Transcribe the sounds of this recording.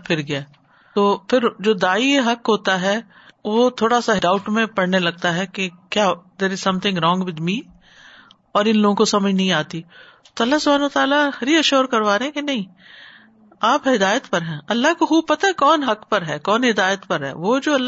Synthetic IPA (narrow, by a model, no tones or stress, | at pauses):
pʰɪɾɡɐjaː | t̪oːpʰɪɾd͡ʒoːd̪aːiɦɐkɦoːt̪aɦɛː | ʋot̪ʰoːɽasaɦɖaːʊʈmẽpɐɽ̤nelɐɡ̚t̪aɦɛkekjaːd̪eːɾɪz̥sɐ̃mt̪ʰɪ̃ŋɡɾɔ̃ːŋɡʋɪd̪miː | ɔːɾɪnloːɡõkosɐməd͡ʒʱnɐɦĩaːt̪i | t̪oɐlːaɦsʊbʱaːnːt̪aːlahɐɾiɐʃoːɾkɐɾʋaːɾeɦɛ̃kenɐɦĩ | aːpɦɪd̪aːjət̪pɐɾɦɛ̃ːɐlːaɦkoxuːpɐt̪aɦɛkɔːnɦɐkpɐɾɦɛːkɔːnɦɪd̪aːjət̪pɐɾɦɛ̰ːʋoːd͡ʒoːɐlː